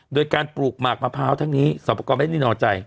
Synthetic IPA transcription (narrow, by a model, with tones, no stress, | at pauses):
doː˧jkaː˧npɾuː˨˩k̚maː˨˩k̚maː˧pʰaː˦˥wt̪ʰa˦˥˩ŋniː˦˥sɔː˨˦pʰːa˧kɔː˧ma˥˩niː˥˩nɔː˧˩t͡ɕa˧j